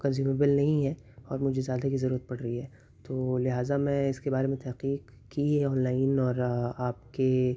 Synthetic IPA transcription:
kɐ̃nziːmeːbəlnɐɦĩɦɛ | ɔːɾmʊd͡ʒʱezjaːd̪akizɐɾuːɾət̪̚pɐɽɾɐɦiɦɛː | t̪oːlɪɦaːzamɛ̃ɪskebaːɾemẽt̪ɛɦqiːq | kiɛɔːnlaːɪnɔːɾaːp̚ke

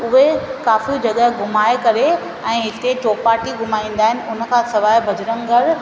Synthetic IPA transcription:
ʊɦekaːfiud͡ʑɐɠəɦɡʱʊmaːekɐɾe | ɛ̃ːɦɪt̪et͡ɕoːpaːʈiɡʱʊmaːĩːn̆d̪aːɦɪnɪ̆ʊn̆kʰãːsɐʋaːjbʱɐd͡ʑɾəŋɡʱɐɾ

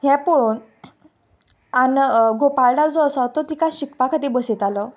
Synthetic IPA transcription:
ɦjɛ̃poɭun | anɡopaɾɖawd͡zɔəsat̪ɔt̪ikaɕikpakʰat̪ibəset̪alə

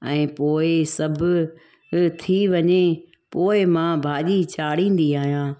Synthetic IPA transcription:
ɛ̃ːpoːɪsɐbʱʊ | t̪ʰiʋɐɲe | poːɪmãːbʱaːʄit͡ɕaːɽĩːn̆d̪iaːɦijãː

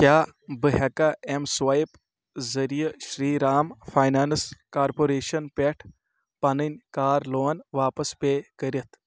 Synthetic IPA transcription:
kjaːbɨɦɐkaemsʋajp | zɐɾijɐʃɾiːɾaːmpʰaːjnaːnskaːɾpoːɾeːʃɐnpeʈʰ | pɐnɨnʲkaːɾloːnʋaːpɐspekəɾɐt̪ʰ

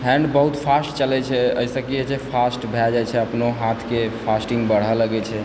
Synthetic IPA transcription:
ɦɛ̃ɳɖbəɦut̪pʰasʈt͡ʃəlɛt͡ʃʰɛə̰isəkiet͡ʃʰɛpʰasʈbʱɛd͡ʒajt͡ʃʰɛəpnoɦat̪ʰkepʰasʈĩŋɡbəɽ̤ələɡɛt͡ʃʰɛ

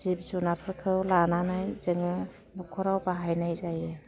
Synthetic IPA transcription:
zibsunapʰɯɾkʰɯwlananajzɯŋɯ | bɔkʰɔɾawbaɦajnajzajɯ

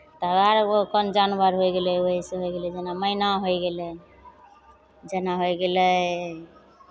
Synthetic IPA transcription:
t̪əɡaɾokɔnd͡ʒanbaɾɦojɡelɛoɦiseɦojɡelɛd͡ʒenaməinaɦojɡelɛn | d͡ʒenaɦojɡelɛ

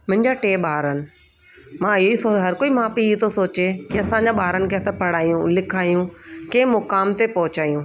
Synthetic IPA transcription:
mʊ̃ɦɪ̃ɲd͡ʑaʈeːɓaːɾənɪ̆ | mãɪoisoɦɐɾkoːimãːpiit̪ʰosoːt͡ɕekiɐsãɲd͡ʑãɓaːɾənɪ̆kʰeɐsãpɐɽaːijũlɪkʰaːijũkẽːmʊkaːmt̪epɐɦʊt͡ɕaːijũː

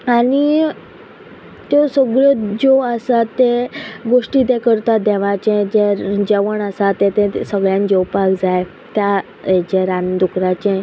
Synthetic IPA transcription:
ani | t̪jɔsəɡɭəd͡zoəsat̪ːeɡoʂʈid̪ekəɾt̪ad̪ɛʋat͡ɕɛ̃d͡ʑeɾd͡ʑɛʋəɳəsat̪ẽt̪ẽsəɡɭjãnd͡ʑɔwpakd͡zaj | t̪ja | ed͡ʑeɾand̪ukɾat͡ɕɛ̃

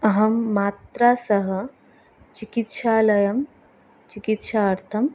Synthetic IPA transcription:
ɐɦɐmːaːt̪ɾaːsɐɦɐ̆ | t͡ʃikit̪ʃaːlɐjɐm | t͡ʃikit̪ʃaːɐɾt̪ʰɐm

